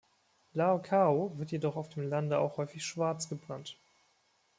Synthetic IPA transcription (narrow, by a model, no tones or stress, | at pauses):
laokʰaovɪɐtjedɔχaʊfd̥eːmlandəa̰ʊxhɔʏfɪçʃv̥aɐt͡sɡ̥əbʁant